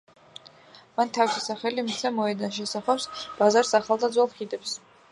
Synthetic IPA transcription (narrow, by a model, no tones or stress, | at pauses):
mant̪ʰawisʰisaχɛlimsʰɛmɔɛd̪anʃ̬ɛsaχawsb̥azaɾsaχalˠd̪ad̪zwɛlˠχid̪ɛps